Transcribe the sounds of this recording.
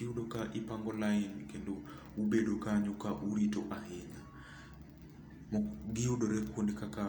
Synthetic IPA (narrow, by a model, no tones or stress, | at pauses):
iuɗokaʔipaŋɡɔlainkendo | ubedokaɲukaʔuɾitoʔaɦeɲa | mɔɡiuɗoɾɛkondikaka